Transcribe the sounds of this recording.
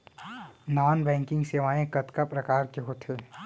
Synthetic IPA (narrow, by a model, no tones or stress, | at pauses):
naːnbɛ̃ːŋkɪ̃ŋɡseːʋaːẽkɐt̪kapɾɐkaːɾkeɦoːt̪ʰeː